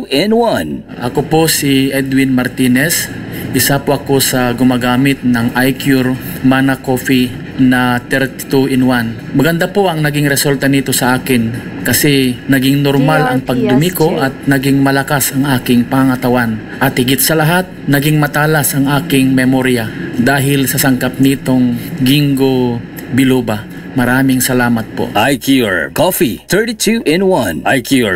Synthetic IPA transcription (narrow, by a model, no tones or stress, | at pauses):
ɛnwan | ʔɐkoposiʔɛd̪wɪnmɐɾt̪inɛs | ʔɪsapoʔɐko̞sɐɡʊmaɡaːmɪt̪̚nɐŋʔajkjuɾ | manɐkofi | nɐt̪ɛɾt̪ɪ̥t̪uʔɛnwan | mɐɡɐnd̪apo̞ʔɐŋnɐɡɪŋɾɛsult̪ɐnit̪o̞sɐʔaːkɪn | kɐsɛnɐɡɪŋnoɾmalʔɐŋpɐɡ̚d̪ʊmikoʔɐt̪̚nɐɡɪŋmɐlɐkasɐŋʔaːkɪŋpɐŋɐŋɐt̪ɐwan | ʔɐt̪hɪɡɪt̪̚sɐlɐɦat̪̚nɐɡɪŋmɐt̪aːlɐsʔɐŋʔaːkɪŋmɛmoɾɪjɐd̪aːɦɪlsɐsɐŋkap̚nit̪o̞ŋɡɪŋɡo | bɪloːba | mɐɾaːmɪŋsɐlaːmɐt̪̚po̰ʔajkʰjuɹkɔfit̪əɹɾitʰuʔɪ̃nwɐ̃nʔajkʰjuɹ